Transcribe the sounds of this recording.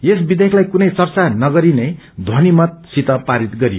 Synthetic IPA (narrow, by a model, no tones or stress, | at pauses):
jesbid̪ʱekʰlajkunʌjt͡sʌrt͡sanʌɡʌɾinʌj | d̪ʱonimʌt̪̚sit̪ʌpaɾit̪ɡʌɾijo